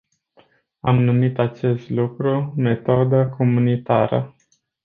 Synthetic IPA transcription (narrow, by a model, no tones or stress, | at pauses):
amnumit̪at͡ʃe̞st̪lukɾume̞t̪od̪əkʰo̞munit̪aɾə̰